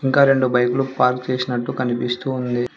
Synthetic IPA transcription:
iŋkaːɾe̞ɳɖubɐjkulupaːɾkt͡ʃeːsinɐʈːukɐnipist̪uːnd̪i

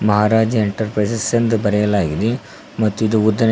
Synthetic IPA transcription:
mɐɦaːɾaːd͡ʒɐeɳʈɐɾpɾɐjsɐsɐnd̪ubɐɾɛjɐlaːɡid̪e | mɐt̪ːuid̪uud̪ːɐn

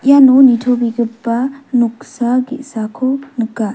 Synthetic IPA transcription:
janonitʰobiɡipːɐnuk̚saɡisakʰonɯkːa

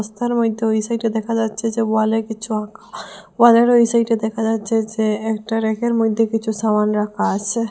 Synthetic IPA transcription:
st̪ʰaɾmojd̪ʱːeoisajʈid̪ɛkʰad͡ʑatːɕʰed͡ʑebalekit͡ɕʰuakʰabaleɾoisajʈad̪ɛkʰad͡ʑatːɕʰed͡ʑeɛkʈaɾekeɾmojd̪ʱːekit͡ɕʰusamanɾakʰaat͡ɕʰe

